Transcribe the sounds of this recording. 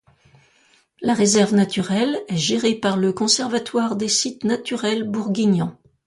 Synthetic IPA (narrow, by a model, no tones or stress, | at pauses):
laʁezɛʁvnat̪yʁɛlɛʒeʁepaʁləkɔ̃sɛʁvat̪waʁd̪esit̪nat̪yʁɛlbuʁɡʲiɲɑ̃